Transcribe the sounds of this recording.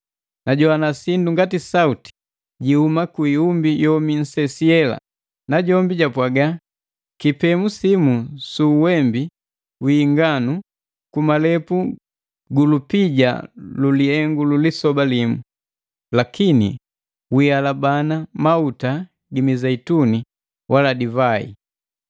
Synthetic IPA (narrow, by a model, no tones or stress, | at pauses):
naɟɔanasinduŋɡatisauti̥ | ɟihumakuiumbijɔmin̩sɛsiɛla̰ | naɟɔmbiɟapwaɡa | kipɛmusimusuwɛmbi | wiːŋɡanu | kumalɛpu | ɡulupiɟa̰luliɛŋɡululisɔbalimu | lakinḭ | wialabanamauta | ɡimizaituni | wʔaladivaḭ